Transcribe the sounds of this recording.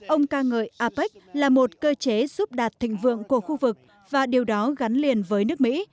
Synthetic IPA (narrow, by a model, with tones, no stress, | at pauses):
ʔə˧wŋ͡mkaː˧ŋə̰ː˧˨jʔaː˧pi˦˥k̟̚laː˨˩mo˨˩t̚kəː˧t͡ɕe˨˦zu˦˥p̚ɗaː˨˩t̚t̪ʰḭ̈˧˨ŋ̟vɨ̰˧˨əŋku˧˩əxu˧vɨ˨˩k̚ | vaː˨˩ɗi˨˩əwɗɔ˨˦ɣa˨˦ŋ̟li˨˩ənvəː˨˦jnɨ˦˥ək̚mḭ˧˥